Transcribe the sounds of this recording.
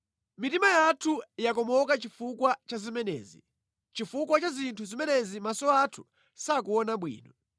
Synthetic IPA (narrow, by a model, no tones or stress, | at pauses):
mitimajatʰujakɔmɔkat͡ʃifukwat͡ʃazimɛnɛ̰ːzḭ | t͡ʃifukwat͡ʃazintʰuzimɛnɛzimasɔatʰu̥ | sak̬uɔnaɓwḭːnɔ